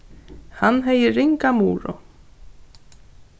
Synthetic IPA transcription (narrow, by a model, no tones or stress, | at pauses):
hanːɦejɪriŋkamuːɾɔ̰